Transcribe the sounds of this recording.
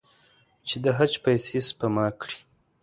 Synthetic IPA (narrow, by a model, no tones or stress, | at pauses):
t͡ʃed̪əɦat͡ʃpajsespamɑkɽi̥